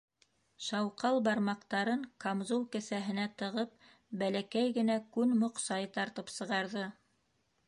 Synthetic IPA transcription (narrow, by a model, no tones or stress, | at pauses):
ʃɑwqɑlˠbɑɾmɑqt̪ɑɾɤɴkamzulˠkæsæɦɘ̆næt̪ɤ̆ʁɤp̚ | bælækæjɡɘ̆nækʉnmŏqsɑjt̪ɑɾt̪ɤpsɤ̆ʁɑɾðɤ